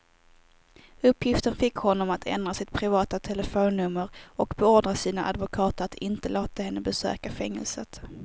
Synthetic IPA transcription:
ɵpːjɪft̪ənfɪkhɔnːɔmat̪ʰɛ̰nd̪ɾasɪt̪̚pʰɾɪvɑːt̪at̪ʰɛləfoːnːɵmːəɾɔkbɛoːd̪ɾasiːna̰ʔad̪vʊkʰɑːt̪əat̪ʰɪnt̪əloːt̪ahɛnːəbɛsø̰ːkafɛŋːɛ̰lsət̪

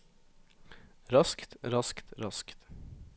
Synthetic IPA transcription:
ɾɑskt̪ɾɑskt̪ɾɑskt̪

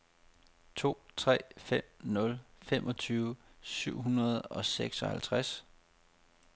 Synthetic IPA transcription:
t͡sʰo̝̰ːt͡sʰʁɛ̰ːfem̰nɔ̽lfemʔɒ̽t͡sʰyːʊəsyʊ̰ɦunɐð̞̩ˠɒ̽seɡ̥sɒ̽hælt͡sʰʁas

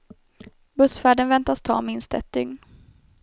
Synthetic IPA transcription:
bɵsfæːɖənvɛnt̪ast̪ʰɑ̰ːmɪnst̪ɛt̪̚d̪̥ʏŋn

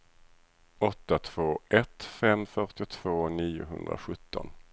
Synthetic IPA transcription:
ɔt̪ːat̪ʰv̥oːʔɛt̪fɛmːfœʈɪt̪ʰv̥oːniːʊ̰ɦɵ̰nd̪ɾa̰ɧɵt̪ʰːɔ̰n

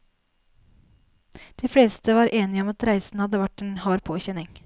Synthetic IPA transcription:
d̪̥iːfɽeːst̪əʋɑːɾʔeːnɪəɔmɑt̪ɾæɪsn̩hɑd̪əʋæʈeːnhɑːɾpʰoːçɛnɪŋ

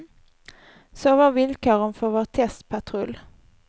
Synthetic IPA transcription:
soːvaɾvɪlkoːɾənfœɾvoːt̪ʰɛst̪pʰat̪ʰɾɵlː

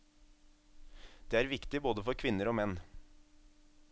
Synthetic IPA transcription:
d̪̥eːæːɾʋɪkt̪ɪboːd̪əfɔɾkʰʋɪnəɾoːmɛn

